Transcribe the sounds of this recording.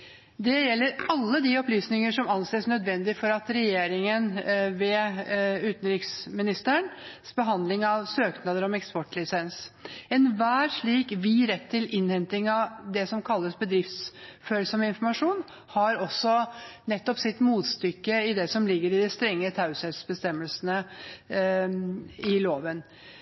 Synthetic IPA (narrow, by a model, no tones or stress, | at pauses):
d̪ɛjɛlːəɾɑlːəd̪iɔplyːsnɪŋəʂɔmɑnseːsnœd̪ʋɛnd̪ɪfɔɾɑt̪ɾɛjeːɾɪŋənʋɛ | ʉːt̪nɾɪksmɪnɪst̪əɳsbəɦɑnd̪lɪŋɑʋsøːknɑd̪əɾɔmɛkspɔʈlɪsɛnsɛnʋæːʂɭiːkʋɪɾɛt̪ʰːɪlɪnhɛnt̪ɪŋɑʋd̪ɛsɔmkʰɑlːəsbəd̪ɾɪft̪sføːɾsɔmɪnfɔɾmɑʂuːn | hɑɾɔsːɔnɛt̪ːɔpsɪt̪muːt̪st̪ʏkːəɪd̪ɛsɔmlɪɡːəɾɪd̪ɪst̪ɾɛŋːət̪ʰaʉsɛt̪sbəst̪ɛmːəlsənə | ɪloːʋən